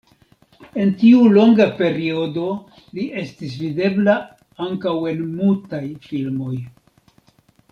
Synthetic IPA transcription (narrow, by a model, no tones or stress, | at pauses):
e̞ntiulo̞ŋɡape̞ɾio̞do̞ | liʔe̞stis̬vide̞bla | aŋkawe̞nmultajfilmo̞j